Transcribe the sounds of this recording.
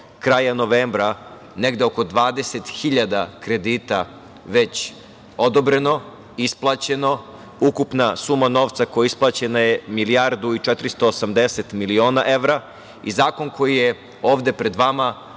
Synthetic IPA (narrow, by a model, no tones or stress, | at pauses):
kɾaːjano̞ʋeːmbɾa | neɡd̪eoko̞d̪ʋaːd̪e̞set̪xiʎad̪akɾe̞d̪iːt̪a | ʋe̞t͡ɕ | o̞d̪obɾeno̞ | isplˠat͡ɕe̞no̞ | ukupnasumano̞ʋt̪sakojaisplˠat͡ɕenajemilijaɾd̪uit͡ʃɛt̪ɾist̪o̞ːsamd̪eset̪milio̞ːnaʔe̞ʋɾa | ḭzaːko̞nko̞jije | o̞ːʋd̪e̞pɾe̞d̪ʋama